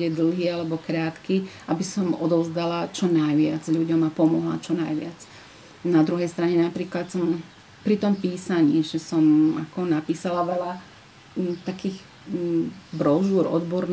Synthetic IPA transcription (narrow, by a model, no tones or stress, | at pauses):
ɛd̪l̩ˠɦiːalɛbɔkɾaːt̪kiʔabisɔmɔd̪ɔʊzd̪alat͡ʃɔnajʋɪad͡zʎuɟɔmapɔmɔɦla̰t͡ʃɔnajʋɪat͡s | nad̪ɾuɦɛjst̪ɾaɲɛnapɾiːklat̪sɔm | pɾit̪ɔmpiːsaɲiːʒɛsɔmakɔnapiːsalaʋɛla | t̪akiːɣ | bɾɔʒuɾɔ̰d̪bɔɾn